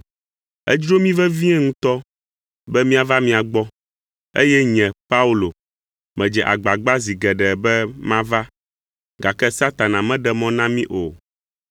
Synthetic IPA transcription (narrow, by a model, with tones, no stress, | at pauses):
ɛ̰˦d͡ʒɾo˦mĩ˦vɛ˦vĩ˦ɛ˦ŋũ˦t̪ɔ˦ | bɛ˦mĩ˦a˨va˦mĩ˦a˨ɡ͡bɔ˦ | ḛ˦jɛ˦ɲɛ̃˨pa˦u˦lo˨ | mɛ̃˨d͡ʒɛ˨ʔa˨ɡ͡ba˨ɡ͡ba˦zi˨ɡɛ˨ɖɛ˨bɛ˦mã˦va˦ | ɡa˨kɛ˦sa˦t̪a˨nã˨mɛ̃˦ɖɛ˨mɔ̃˦nã˦mĩ˦ʔo˨